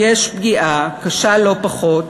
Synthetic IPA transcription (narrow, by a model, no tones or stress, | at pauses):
jeʃbɡiʔakaʃalo̞paχo̞t